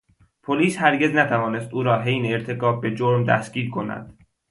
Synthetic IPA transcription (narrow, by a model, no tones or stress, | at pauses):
pʰoliːshæɾɟe̞znæt̪ʰævɒːne̞st̪uːɾɒːɦejneeɾt̪ʰe̞kɒːb̚ːe̞d͡ʒoɾmd̪æ̰sɡ̥iːɾkʰo̞næ̰d̪̥